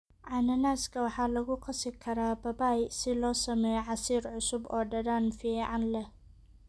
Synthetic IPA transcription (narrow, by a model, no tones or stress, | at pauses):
ʕɑnɐnaːskʰɐwɑħɑːlɐɣʊqɑsɪkʰɐɾaːbɐbaːjsɪlɔːsɐmɛjʕɑsiːrʕʊsʊbɔːɖɐðaːnfiːʕɑnlɛh